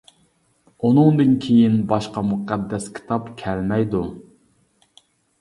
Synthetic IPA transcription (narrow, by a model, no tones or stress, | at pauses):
unɨŋd̪ɨnkʲʰejinbɑʃqɑmuqæd̪ːɛskʲʰi̥t̪ʰɑpkʲʰɛlmɛjd̪u